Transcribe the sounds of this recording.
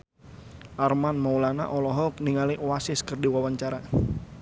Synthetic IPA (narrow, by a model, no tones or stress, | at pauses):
ʔarmanmaulana̰ʔɔlɔɦɔkniŋaliʔwasɪskərdiwawaɲt͡ʃaɾa